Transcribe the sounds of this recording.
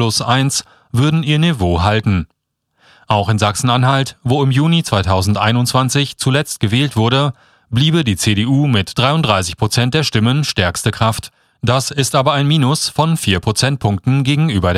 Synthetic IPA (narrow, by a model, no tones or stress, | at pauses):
lʊsʔaɪns | vʏɐdn̩iːɐnevoːɦaltn̩ | ʔaʊxɪmzaksn̩anɦaltvoːɪmjuːnit͡sv̥aɪtʰaʊzn̩tʔa̰ɪnʊntt͡sv̥ant͡sɪçt͡sulɛt͡st̚ɡ̥əvɛːltv̥ʊɐɾə | bliːbədiːt͡seɾeːʔuːmɪtd̥ʁaɪʊntd̥ʁaɪsɪçpʁ̥ot͡sɛnt̚d̥eːɐʃtɪmənʃtɛɐkstəkʁ̥aft | d̥asɪstʔaːbɐaɪnmiːnʊsfɔnfiːɐpʰʁ̥ot͡sɛnt̚pʰʊŋk̚tn̩ɡeːɡŋ̩ʔyːbɐde